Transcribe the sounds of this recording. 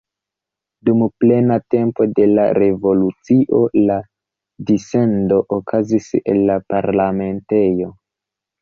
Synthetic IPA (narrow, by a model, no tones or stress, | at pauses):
dumple̞nate̞mpo̞de̞la̰ɾe̞vo̞lut͡siʔo̞la | dise̞ndo̞ʔokʰazise̞̰lːapaɾlame̞nte̞jo̞